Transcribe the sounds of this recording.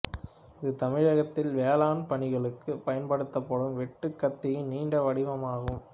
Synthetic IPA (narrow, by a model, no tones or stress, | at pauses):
ɪðɯt̪ɐmɪɻɐɣɐt̪ːɪlʋeːlaːnpɐɳɪɣɐɭɯkːɯpɐjɐnpɐɽɯt̪ːɐpːɔɽɯmʋɛʈːɯkːɐt̪ːɪjɪniːɳɖɐʋɐɽɪʋɐmaːɣɯm